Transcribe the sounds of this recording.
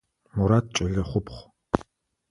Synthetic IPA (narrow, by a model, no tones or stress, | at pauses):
mʊɾaːt̚ʰt͡ʃʼɐɮɐχʷʊpχʷ